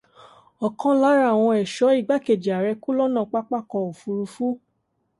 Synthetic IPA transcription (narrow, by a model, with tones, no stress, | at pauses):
ɔ˨kã˦la˨˦ɾa˦˨w̃ɔ̃˧ɛ˨ʃɔ˨˦i˦˨ɡ͡ba˨˦ke˨d͡ʒi˨a˨ɾɛ˧ku˦lɔ˦nã˦˨˧k͡pa˦k͡pa˦˨kɔ˧o˨fu˧ɾu˧fu˦